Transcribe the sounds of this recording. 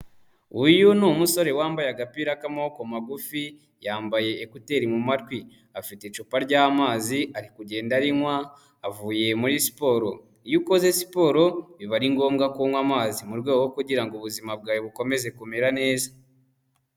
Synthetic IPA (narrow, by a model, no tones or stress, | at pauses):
ujunuːmuso̞ɾe̞waːmbajaɡapiɾakamo̞ko̞maɡufi | jaːmbaje̞ːkute̞ɾimumatkwi | afitet͡ʃupaɾɟaːmaːziaɾikuɟe̞ːndaɾiŋwaː | vuːje̞muɾisi̥po̞ːɾo̞ | ijuko̞zesi̥po̞ːɾo̞βiβaɾiŋɡo̞ːmɡakuːŋwamaːzimuɾɡweːɡowokuɟiɾaŋɡoβuzimab̚ɡaːjoβuko̞me̞ze̞kumeɾane̞ːzḁ